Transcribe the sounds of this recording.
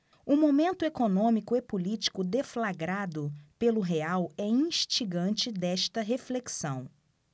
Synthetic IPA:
ʊmomẽnt̪ʊekonõmikʊepolit͡ʃi̥kʊd̪eflaɡɾad̪ʊpelʊɦeawɛĩʃt͡ʃiɡɐ̃nt͡ʃɪd̪ɛʃt̪ɐɦefleksɐ̃w̃

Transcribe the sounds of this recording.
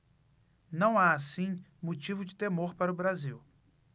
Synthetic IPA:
nɐ̃w̃aasĩmot͡ʃivʊd͡ʒɪt̪emoɾpaɾɐʊbɾaziw

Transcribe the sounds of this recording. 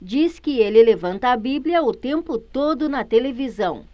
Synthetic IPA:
d͡ʒiskɪelɪlevɐ̃nt̪ɐːbibliɐʊt̪ẽmpʊt̪od̪ʊnɐt̪elevizɐ̃w̃

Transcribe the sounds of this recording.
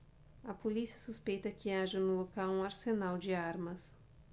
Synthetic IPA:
ɐpolisiɐsuspejt̪ɐkɪaʒɐnʊlokawũɐɾsenawd͡ʒɪaɾmɐs

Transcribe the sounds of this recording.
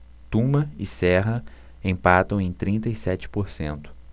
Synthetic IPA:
t̪ũmɐɪsɛɦɐ | ẽj̃pat̪ɐ̃w̃ẽj̃t̪ɾĩnt̪ɐisɛt͡ʃɪ̥poɾsḛ̃nt̪ʊ̥

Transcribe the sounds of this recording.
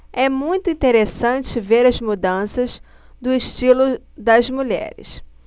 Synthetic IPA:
ɛmũj̃t̪ʊĩnt̪eɾesɐ̃t͡ʃɪveɾɐzmud̪ɐ̃sɐz | d̪ʊɪʃt͡ʃilʊ | d̪ɐzmuʎɛ̰ɾɪ̰s

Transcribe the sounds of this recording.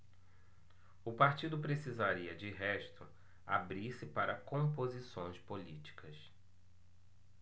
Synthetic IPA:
ʊpaɾt͡ʃid̪ʊpɾesizaɾiɐd͡ʒɪɦɛʃt̪ʊ | a̰bɾiɾsɪpaɾɐkõmpozisõj̃spolit͡ʃi̥kʰɐs

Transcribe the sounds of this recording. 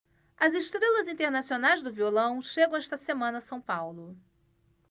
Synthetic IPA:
ɐzeʃt̪ɾelɐzĩnt̪eɾnasionajzd̪ʊviolɐ̃w̃ʃeɡɐ̃w̃ɛʃt̪ɐsemɐ̃nɐsɐ̃w̃pawlʊ

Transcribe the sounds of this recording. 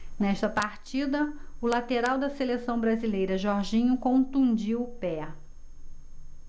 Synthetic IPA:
nɛʃt̪ɐpaɾt͡ʃid̪ɐʊlat̪eɾawd̪ɐselesɐ̃w̃bɾazilejɾɐʒɔɾʒĩɲʊkõt̪ũd͡ʒiwʊpɛ

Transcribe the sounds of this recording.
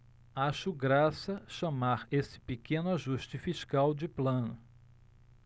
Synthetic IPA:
aʃʊɡɾasɐʃamaɾesɪ̥pekẽnʊaʒuʃt͡ʃɪfiʃkawd͡ʒɪplɐ̃nʊ

